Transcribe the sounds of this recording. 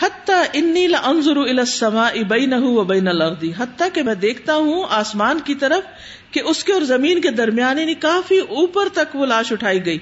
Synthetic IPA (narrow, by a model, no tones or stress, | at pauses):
hɐt̪ːaːʔɪnːiːlɪʔɐnzʊɾuɪlaːsːɐmaːʔɪbɐːnɐɦuʋɐbɐːnɐlɐɾd̪iɦɐt̪ːakemɛ̃ːd̪eːkʰt̪aɦũaːsmaːnkit̪ɐɾəf | keʔʊskeɔːɾzɐmiːnked̪ɐɾmijaːnenẽkaːfiʔuːpəɾt̪ɐkʋolaːʃʊʈʰaːiɡɐiː